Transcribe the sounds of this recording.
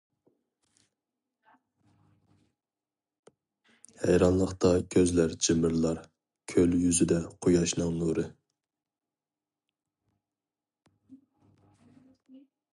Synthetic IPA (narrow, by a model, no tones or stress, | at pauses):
hɛjɾɑnlˠəχt̪ʰɑkʲʰøzlæɾd͡ʒɪmɨɾlˠɑɾ | kʲʰøljyzɪd̪ɛqʰojɑʃnɨŋnuɾɨ